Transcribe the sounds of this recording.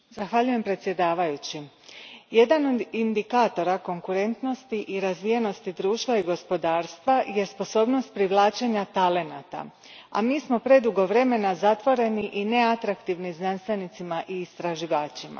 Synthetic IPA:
z̥axʋaʎuje̞mpɾet̪sje̞d̪aːʋajut͡ɕi | je̞d̪ano̞d̪ind̪ikaːt̪o̞ɾako̞ŋkuɾe̞nt̪no̞st̪iʔiɾazʋijeno̞st̪id̪ɾuːʃt̪ʋaiɡo̞spo̞d̪aːɾst̪ʋaje̞spo̞so̞ːbno̞st̪̚pɾiʋlˠaːt͡ʃe̞ɲat̪ale̞nat̪a̰ | a̰miːsmo̞pɾe̞d̪uɡo̞ʋɾe̞me̞nazat̪ʋo̞ɾe̞niʔine̞at̪ɾakt̪iʋniznanst̪ʋajnit̪simaʔiːst̪ɾaʒiʋaːt͡ɕima̰

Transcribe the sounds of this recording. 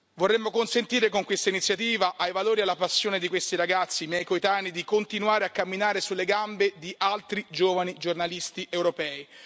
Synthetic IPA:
vorːemːokonsent̪iːɾekoŋkwest̪ainit̪sjat̪iːvaʔajvaloːɾialːapasːjoːned̪ikwest̪iɾaɡat̪sːimjɛjkoet̪aːnid̪ikont̪inwaːɾeakːamːinaːɾesulːeɡambed̪iʔalt̪ɾid͡ʒoːvanid͡ʒornalist̪iʔewɾopɛːi

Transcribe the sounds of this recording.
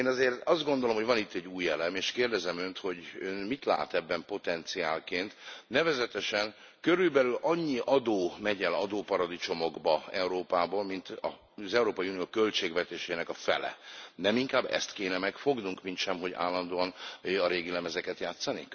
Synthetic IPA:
eːnɒzeːrt̪ɒzd̪ɡo̞nd̪olo̞mhɦoɟvɒnit̪ːɛɟːuːjːɛlɛmeːʃkeːrd̪ɛzɛmønt̪ho̞ɟøːnmit̪la̰ːt̪ɛbːɛmpo̞t̪ɛnt̪siaːlkeːnt̪nɛvɛzɛt̪ɛʃɛn | køɾylbɛlylʔɒɲːiʔɒd̪oːmɛɟɛlɒd̪oːpɒɾɒd̪it͡ʃo̞mo̞ɡbɒɛuɾoːpaːboːlmint̪ɒ̰ | zɛuɾoːpɒjiunijoːkølt͡ʃeːɡʋɛt̪eːʃeːnɛkɒfɛ̰lɛ̰nɛmiŋkaːbːɛ̰st̪keːnɛmɛkfo̞ɡnuŋkmint̪ʃɛmɦo̞ɟa̰ːlːɒnd̪oːɒnɒɾeːɡilɛmɛzɛkɛt̪jaːt̪sːɒnik

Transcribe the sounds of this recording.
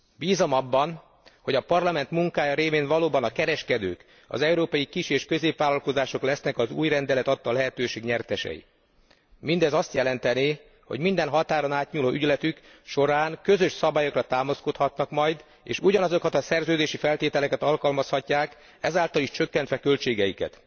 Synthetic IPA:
biːzomɒbːɒn | ho̞ɟɒpɒrlɒmɛnt̪muŋkaːjɒɾeːveːnvɒloːbɒnɒkɛɾɛʃkɛd̪ø̰ːk | ɒ̰zɛuɾoːpɒjikiʃeːʃkø̞zeːpʋaːlːɒlko̞zaːʃo̞klɛsnɛkɒzuːjrɛnd̪ɛlɛt̪ɒt̪ːɒlɛɦɛt̪øːʃeːɡɲɛrt̪ɛʃɛ̰jḭ | mind̪ɛzɒst̪jɛlɛnt̪ɛneː | ho̞̰ɟmind̪ɛnɦɒt̪aːɾonaːt̪ɲuːloːʔyɟlɛt̪yk | ʃo̞ɾaːnkø̞zø̞ʃsɒbaːjo̞krɒt̪aːmɒsko̞t̪hɒt̪nɒkmɒjd̪ | ḛːʃuɟɒnɒzo̞kɒt̪ɒsɛrzøːd̪eːʃifɛlt̪eːt̪ɛlɛkɛt̪ɒlkɒlmɒshɒcːaːk | ɛzaːlt̪ɒliʃt͡ʃøkːɛnt̪ʋɛkø̞lt͡ʃeːɡɛjikɛ̰t̪

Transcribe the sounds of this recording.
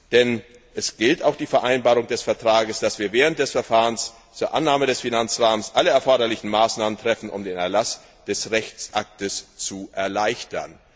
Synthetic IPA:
d̥ɛn | ʔɛsɡ̥ɪltaʊxd̥iːfɛɐʔaɪnbaːʁ̞ʊŋdɛsfɛɐtʁ̥aːɡəsd̥asv̥iːɐvɛːʁ̞ənt̚d̥ɛsfɛɐfaːʁəns | t͡suːɐʔanːaːmədɛsfinant͡sʁaːmənsʔaləɛɐfɔɐɾɐlɪçn̩maːsnaːməntʁ̥ɛfn̩ʔʊ̰mdeːnɛɐlas | d̥ɛsʁɛçt͡sʔak̚təst͡suʔɛɐlaɪçtɐ̰n

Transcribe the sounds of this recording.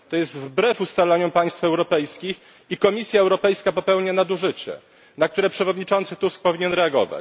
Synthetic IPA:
t̪ɔjɛzt̪vbɾɛfust̪alaɲɔpaj̃st̪fɛwɾɔpɛjskʲix | ikɔmʲisʲjaɛwɾɔpɛjskapɔpɛwɲanad̪uʐɘt͡ɕɛ̰ | nak̚t̪uɾɛpʂɛvɔd̪ɲit͡ʂɔnt̪sɘt̪usk̚pɔvʲiɲɛnɾɛaɡɔ̰va̰t͡ɕ

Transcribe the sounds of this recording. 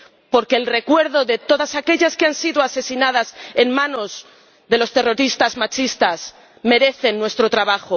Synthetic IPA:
po̞ɾke̞ːlre̞kwe̞ɾðo̞ðe̞t̪o̞ðasake̞ʎaskeansiðoase̞sinað̞ase̞nmãno̞z | ðe̞lo̞st̪e̞ro̞ɾist̪azmat͡ʃist̪as | me̞ɾe̞θe̞nːwe̞st̪ɾo̞t̪ɾaβaxo

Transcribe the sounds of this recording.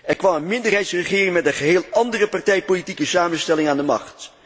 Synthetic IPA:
ɛɹkʋɑmənmɪndərɦɛjtsrəχɪːrɪŋmɛtənχəɦeːlˠɑndərəpɑɹtɛjpolitikəsaːmənstɛlɪŋaːndəmɑ̰χt

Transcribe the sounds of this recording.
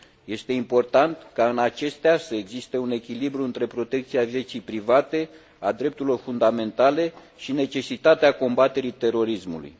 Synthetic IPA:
je̞st̪e̞impo̞rt̪ant̪kaɨnat͡ʃe̞st̪easəeɡzist̪e̞une̞kʲilibɾuɨnt̪ɾe̞pɾo̞t̪e̞k̚t̪siavje̞t͡ʃijpɾivat̪e̞ | ad̪ɾe̞p̚t̪uɾilo̞rfund̪ame̞nt̪ale̞ | ʃine̞t͡ʃe̞sit̪at̪eako̞mbat̪e̞ɾit̪e̞ɾo̞ɾismṵlṵj

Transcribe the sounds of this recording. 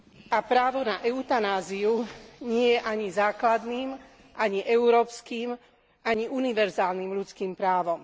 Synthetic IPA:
apɾaːʋɔnaʔɛʊt̪anaːziuɲɪɛjɛʔaɲizaːklad̪niːm | ʔaɲiʔɛʊɾɔːpskiːm | ʔaɲiʔuniʋɛɾzaːlnimʎut͡skiːmpɾaːʋɔm

